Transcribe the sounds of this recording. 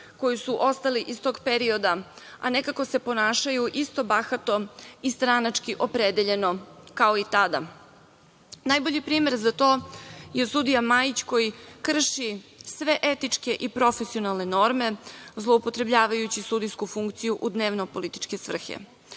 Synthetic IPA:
ko̞jusuʔo̞st̪aliʔist̪o̞ɡpeɾio̞d̪a | a̰ne̞kako̞se̞po̞naːʃajuʔist̪o̞baxat̪o̞ist̪ɾanat͡ʂkiʔo̞pɾed̪eʎe̞no̞kao̞it̪ad̪a̰ | najbo̞ʎipɾiːme̞ɾzat̪o̞ːjesud̪ijamajit͡ɕko̞jikr̩ʃisʋe̞ʔet̪it͡ʂke̞ʔipɾo̞fesio̞nalˠne̞no̞ɾme̞zlˠoupo̞t̪ɾe̞bʎaːʋajut͡ɕisud̪ijskufuŋkt̪sijuʔud̪neːʋno̞po̞lit̪i̥t͡ʃke̞sʋr̩xḛ

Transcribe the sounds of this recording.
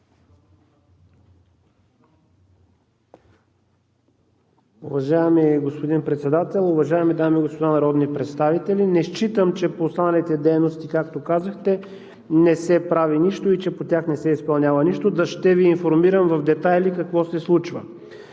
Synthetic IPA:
uvɐʒaɛmiɡospod̪inpɾɛt̪sɛd̪at̪ɛlˠʊvɐʒaɛmid̪amiɡospod̪anɐɾɔd̪nipɾɛt̪st̪avit̪ɛlʲinɛʃt͡ʃit̪əmt͡ʃɛpoːst̪anɐlit̪ɛd̪ɛjnost̪ikakt̪okazəxt̪ɛ | nɛsɛpɾaviniʃt̪oit͡ʃɛpot̪ʲaxnɛsɛispɐlˠnʲavɐniʃt̪od̪ɐʃt̪ɛviːnfoɾmiɾəmvɐfd̪ɛt̪ajlikɐkvɔsɛslˠut͡ʃvə̰

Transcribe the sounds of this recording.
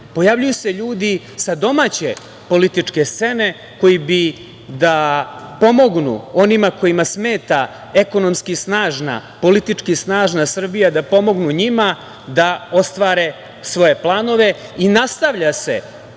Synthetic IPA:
po̞jaːvʎujuseʎuːd̪i | sad̪o̞maːt͡ɕe̞ | po̞lit̪it͡ʂke̞st̪se̞ne̞ | ko̞jibi | d̪apo̞mo̞ɡnṵo̞nimako̞jimasme̞ːt̪a | eko̞no̞mskisnaːʒna̰po̞lit̪it͡ʂkisnaːʒnasr̩bijad̪apo̞mo̞ɡnuɲima | d̪ao̞st̪ʋaːɾe̞ | sʋo̞je̞plˠaːno̞ʋe̞inast̪aʋʎase̞̰

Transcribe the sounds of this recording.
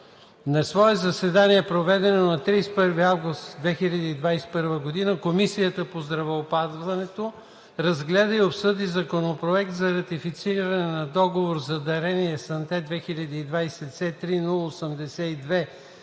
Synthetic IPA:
nɐsvɔɛzɐsɛd̪aniɛpɾovɛd̪ɛnonɐt̪ɾispɤɾviavɡʊst̪d̪vɛxiʎʲɐd̪iːd̪vajsɛ̥pɤɾvəɡod̪inəkomisijət̪əpozd̪ɾɐvɛopazvɐnɛt̪o | ɾɐzɡlɛd̪əiopsɤd̪izɐkonopɾoɛkt̪zɐɾɐt̪ifit̪siɾɐnɛnɐd̪ɔɡovoɾzɐd̪ɐɾɛniɛsɐnt̪ɛd̪vɛxiʎʲɐd̪iːd̪vajsɛt̪sɛt̪ɾinulˠəosəmd̪ɛsɛid̪vɛ

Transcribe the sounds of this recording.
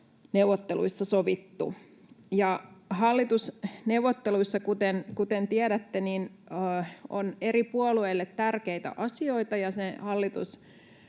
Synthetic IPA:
neuʋot̪ːelṵisːɑsoʋit̪ːṵ | jɑhɑlːit̪usnewʋot̪ːeluisːɑkut̪enkut̪ent̪iæɾæt̪ːeninː | o̰neɾipuolueilːet̪tærkeit̪æ̰ʔɑsio̞it̪ɑjɑsehɑlːit̪ṵs

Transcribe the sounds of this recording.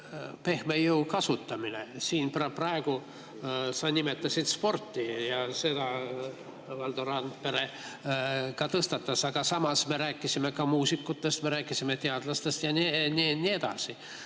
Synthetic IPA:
pe̞hmejuwkɑsut̪ːˑɑmine̞siːnprɑprɑe̞ɡ̥u | sɑnʲime̞t̪ːˑɑsʲit̪spo̞rt̪ːijɑse̞d̪̥ɑ | vɑld̪oɾɑnd̪̚pe̞ɾe̞ | kɑt̪ɤst̪ɑt̪ːˑɑsɑɡ̥ɑsɑmɑsme̞ɾæːkˑːisime̞kɑmuːsikːˑut̪ːˑe̞st̪me̞ɾæːkːˑisime̞t̪e̞ɑd̪̥lɑst̪est̪jɑnininːie̞d̪̥ɑ̰si

